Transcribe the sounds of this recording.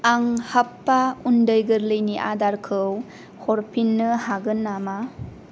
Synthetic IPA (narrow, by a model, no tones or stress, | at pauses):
aŋhapːaundɯjɡɯɾlɯjniʔa̰daɾkʰɯw | hɔɾpʰinːɯhaɡɯnːama